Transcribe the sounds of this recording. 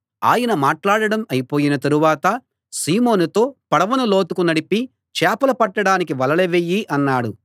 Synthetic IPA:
a̰ːjɐnɐmaːʈlaːɽɐɽɐmɐjipo̞ːjinɐt̪ɐɾuʋaːt̪ɐ | siːmoːnut̪o̞ːpɐɽɐʋɐnɐlo̞ːt̪ukunɐɽipi | t͡ʃɛːpɐlɐpɐʈːɐɽaːnik̬iʋɐlɐleʋejːiʔɐnːaːɽu

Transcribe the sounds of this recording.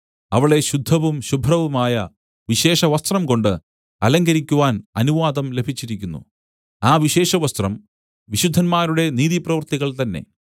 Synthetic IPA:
ɐʋiɭe̞ɕud̪ʱːɐʋumɕubʱrɐʋumaːjɐ | ʋiɕe̞ːɕɐʋɐst̪rɐmko̞ɳɖɨ | ɐlɐŋɡɐɾikʲːuʋaːnɐnuʋaːd̪ɐmle̞bʱit͡ɕːiɾikʲːunːṵ | aːʋiɕe̞ːɕɐʋɐst̪rɐm | ʋiɕud̪ʱːɐnmaːɾuɽe̞niːðiprɐʋɐrt̪iɣɐɭt̪ɐnːe̞̰

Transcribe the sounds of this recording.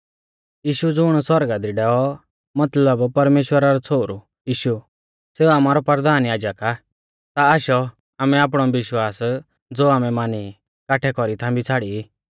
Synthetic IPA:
jiːʃud͡zʊɽ̃swɐɾɡad̪iɖɛːɔ | mɐt̪ləbpɐɾmeːʃwəɾaɾɔt͡sʰoːɾu | jiːʃu | seːuaːmaːɾɔpəɾd̪aːnjaːd͡ʒəka | t̪aaːʃɔ | aːmɛaːp̬ɽ̃ɔʋɪʃwaːs | d͡zoːaːmɛmaːni | kaʈʰɛkɔɾit̪ʰãbit͡sʰaːɽii

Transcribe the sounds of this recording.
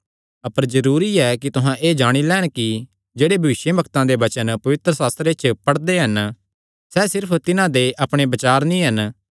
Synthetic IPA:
ɐpəɾzɐɾuːɾiɛkit̪ʊɦãʔeːd͡ʒaːɽ̃ilɛːɽ̃ki | d͡ʒeːɽebʱɐʋɪʃjəbʱɐkt̪ãd̪ebɐt͡ʃənpɐʋɪt̪ɾəsaːst̪ɾet͡ʃpɐɽd̪eɦɐn | sɛːsɪɾpʰt̪ɪnãd̪eʔɐpɽ̃ebɐt͡ʃaːɾnĩɦɐn

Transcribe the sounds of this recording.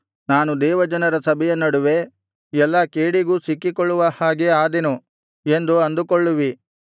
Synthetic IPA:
naːnud̪ɛːʋɐd͡ʒɐnɐɾɐsɐbʱɛjɐnɐɽuʋe̞ | ɛlːɐkeːɽiɡuːsikːikoɭːuʋɐhaːɡeaːd̪enu | end̪uɐnd̪ukoɭːuʋi

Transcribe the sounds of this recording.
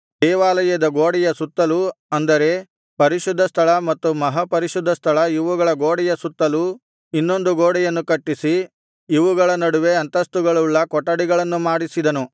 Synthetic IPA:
d̪ɛːʋaːlɐjɐd̪ɐɡoːɽɛjɐsut̪ːɐluɐnd̪ɐɾe̞ | pɐɾiʃud̪ʱːɐst̪ʰɐɭɐmɐt̪ːumɐɦɐpɐɾiʃud̪ʱːɐst̪ʰɐɭɐiʋuɡɐɭɐɡoːɽɛjɐsut̪ːɐlu | inːo̞nd̪uɡoːɽɛjɐnːukɐʈːisi | iʋuɡɐɭɐnɐɽuʋe̞ɐnt̪ɐst̪uɡɐɭuɭːɐkɔʈːɐɽiɡɐɭɐnːumaːɽisid̪ɐnu

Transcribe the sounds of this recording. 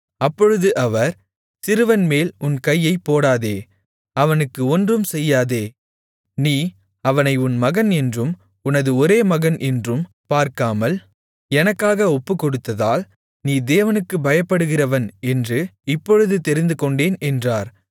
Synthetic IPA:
ɐpːɔɻɯðɯʔɐʋɐɾ | sɪɾɯʋɐnmeːlʊnkɐjːɐɪpːoːɽaːðeː | ɐʋɐnɯkːɯɔndrɯmsɛjːaːðeː | niː | ɐʋɐnɐɪʊnmɐɣɐnɛndrɯm | ʊnɐðɯɔɾeːmɐɣɐnʔɛndrɯm | paːɾkaːmɐl | ɛnɐkːaːɣɐɔpːɯkːɔɽɯt̪ːɐðaːl | niːd̪eːʋɐnɯkːɯbɐjɐpːɐɽɯɣɪrɐʋɐnɛndrɯɪpːɔɻɯðɯt̪ɛɾɪnd̪ɯkɔɳɖeːnɛndraːɾ

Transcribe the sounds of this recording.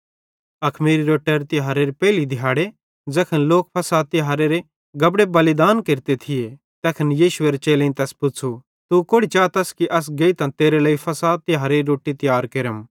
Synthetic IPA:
ɐkʰmiːɾiɾoːʈəɾt̪ɪɦaːɾeɾipɛːlid̪ʱɪjaːɽe | d͡zɐkʰənloːk̚pʰɐsaːt̪ːɪɦaːɾeɾe | ɡɐbɽebɐlid̪aːnkeɾt̪et̪ʰɪje | t̪ɛːkʰɐnjiːʃʊeɾet͡ʃeːlẽĩt̪ɛːspʊt͡sʰu | t̪ukoːɽit͡ʃaːt̪ɐskiʔɐs̬ɡeit̪ãt̪eːɾelɐːipʰɐsaːt̪ːɪɦaːɾeiɾoːʈːit̪ɪjaːɾkeɾəm

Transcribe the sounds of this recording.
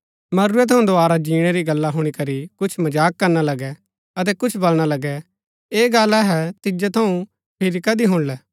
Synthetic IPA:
mɐɾuːɛt̪ʰɐũd̪oaːɾad͡ʒiːɽ̃ɛɾiɡɐlːaɦʊɽ̃ikɐɾikʊt͡ʃʰmɐd͡ʒaːkːɐɾñalɐɡɛ | ɐt̪̬ɛkʊt͡ʃʰbɐlɽ̃alɐɡɛ | eːɡɐlɛɦɛt̪ɪd͡ʒɛt̪ʰɐũ | pʰɪɾikɐd̪iɦʊɽ̃lɛː

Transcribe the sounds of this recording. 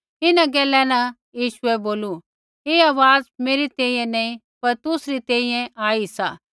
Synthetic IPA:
ɪnãɡɛːlɛ̃nã | jiːʃʊɛboːlu | eːaːʋaːzmeːɾit̪ɛ̃ːĩjɛ̃nɐ̃ĩ | pɐɾt̪ʊsɾit̪ɛ̃ːĩjɛ̃ʔaːisaː

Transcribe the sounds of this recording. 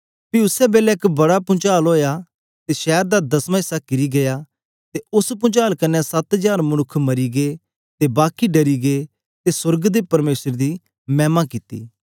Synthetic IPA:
piʊsɛbeːlɛɪkbɐɽapʊ̃t͡ʃaːlɦoːja | t̪eʃɛːɾd̪ad̪ɐsmãɪsakɪɾiɡɐja | t̪eʊspʊ̃t͡ʃaːlkɐnːɛsɐt̪d͡ʒaːɾmɐñʊkʰmɐɾiɡe | t̪ebaːkiɖɐɾiɡeː | t̪esʊɾɡd̪epɐɾmeːsəɾd̪i | mɛ̃ːmãkɪt̪ḭː

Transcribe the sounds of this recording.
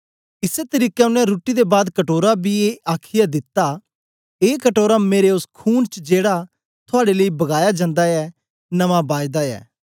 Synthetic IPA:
ɪset̪əɾiːkɛʊnɛ̃ɾuːʈid̪ebaːd̪kɐʈoːɾabieʔaːkʰɪjad̪ɪt̪ːa | eːkəʈoːɾameːɾeʊskʰuːnt͡ʃd͡ʒeːɽa | t̪ʰʊaːɽeləibɐɡaːjad͡ʒãːnd̪aɛː | nɐmãbaːjd̪aɛ̰ː

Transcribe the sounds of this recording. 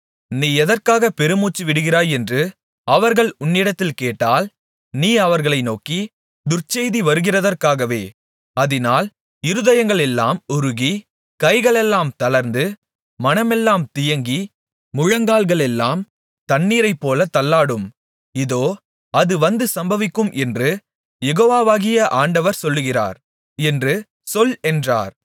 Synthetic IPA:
niːɛðɐrkaːɣɐpɛɾɯmuːt͡ʃːɯʋɪɽɯɣɪraːjɛndrɯ | ɐʋɐɾɣɐɭʊnːɪɽɐt̪ːɪlkeːʈːaːl | niːɐʋɐɾɣɐɭɐɪnoːki | d̪ʊrt͡ʃɛɪðiʋɐɾɯɣɪrɐðɐrkaːɣɐʋeː | ɐðɪnaːl | ɪɾɯðɐjɐŋɡɐɭɛlːaːmʊɾʊɣi | kɐɪɣɐɭɛlːaːmt̪ɐlɐɾnd̪ɯ | mɐnɐmɛlːaːmt̪ɪjɐŋɡi | mʊɻɐŋɡaːlɣɐɭɛlːaːm | t̪ɐnːiːɾɐɪpːoːlɐt̪ɐlːaːɽɯm | ɪðoː | ɐðɯʋɐnd̪ɯsɐmbɐʋɪkːɯmʔɛndrɯ | jɛɣoːʋaːʋaːɣɪjɐʔaːɳɖɐʋɐɾsɔlːɯɣɪra̰ːɾ | ɛndrɯ | sɔlɛndra̰ːɾ

